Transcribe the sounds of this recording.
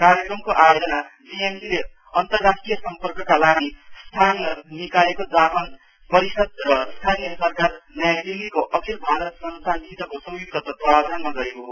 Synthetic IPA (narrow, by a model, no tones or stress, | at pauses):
kaɾjʌkrʌmkoʔajod͡zʌnabiemsile | ʌnt̪ʌrːasʈrijʌsʌmpʌrkʌkalaɡist̪ʰanʌnikalekod͡zapʌn | pʌɾisʌd̪̚rʌst̪ʰanijʌsʌrkarnajad̪ilikoʔʌkʰilbʱaɾʌt̪sʌnsand̪it̪ʌkosʌ̃juk̚t̪ʰʌt̪ʌt̪ʌabd̪ʱanmaɡʌɾekoɦo